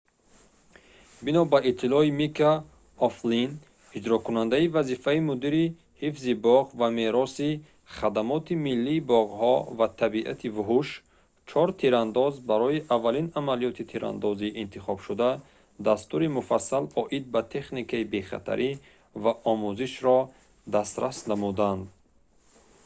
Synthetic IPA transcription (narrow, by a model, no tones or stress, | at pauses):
binɔbaʔit̪ʰːilɔimikʰa | ɔflin | id͡ʒɾɔkunand̪aivazifaimud̪iɾi | hifzibɔʁvame̞ɾɔsi | χad̪amɔt̪ʰimilːiːbɔʁhɔvat̪ʰabiʔa̰t̪ʰivuɦuʃ | t͡ʃʰɔɾt̪ʰiɾand̪ɔzbaɾɔiʔavːalinamalijɔt̪ʰit̪ʰiɾʔa̰nd̪ɔziːʔːnt̪ʰiχɔb̥ʃud̪a | d̪ast̪uɾimufasːalɔʔid̪̚bat̪ʰe̞χnikʰaibe̞χa̰t̪ʰa̰ɾʔi | vaʔɔmuziʃɾɔ | d̪ast̪ɾʔasnamud̪and̪